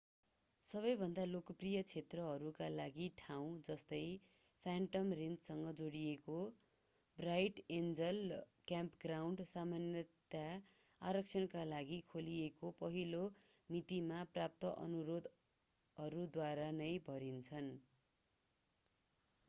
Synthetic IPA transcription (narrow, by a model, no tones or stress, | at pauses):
sʌβʌjbʱʌnd̪alokʌprijʌt͡sʰet̪rʌɦʌɾukalaɡiʈʰaw̃d͡zʌst̪ʌj | pʰaɳʈʌmrent͡ssʌŋɡʌd͡zoɽijeko | brajʈend͡zʌlkjampɡrawɳɖsamanjʌt̪a | aɾʌkt͡sʰʌnkalaɡikʰoliekopʌɦilomit̪imaprap̚t̪ʌʔʌ̰nuɾod̪ | ʌɾud̪waɾanʌjbʱʌɾint͡sʰʌn